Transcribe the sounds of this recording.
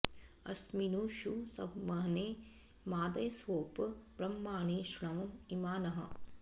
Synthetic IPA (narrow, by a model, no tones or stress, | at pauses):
ɐ̰sminuːʃusɐbmɐɦneː | maːd̪ɐjsoːpbɾɐmːaːɳ̃eːʃɳɐmimaːnɐɦɐ̰